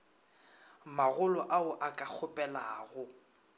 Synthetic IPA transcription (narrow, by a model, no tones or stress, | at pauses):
maɣʊlɔʔaʊʔakʼak͡xʰʊpʼɛlaːɣʊ